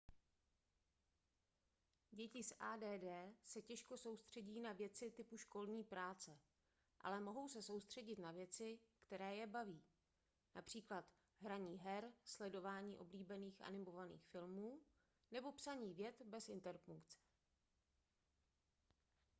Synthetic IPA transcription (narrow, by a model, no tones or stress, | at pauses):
ɟɛcɪsʔaːdɛːdɛːsɛcɛʃko̞so̞wst̪r̝̥ɛɟiːnavjɛt͡sɪt̪ɪpuʃko̞lɲiːpɾaːt͡sɛ | ʔa̰lɛmo̞ɦo̞wsɛso̞wst̪r̝̥ɛɟɪt̪navjɛt͡sɪkt̪ɛɾɛːjɛbaviː | napr̝̥iːklat̪ | ɦɾaɲiːɦɛɾslɛdo̞vaːɲiːʔo̞bliːbɛniːxʔa̰nɪmo̞vanḭːxfɪlmuː | nɛbo̞psaɲiːvjɛt̪bɛsɪnt̪ɛɾfuŋkt͡sɛ̥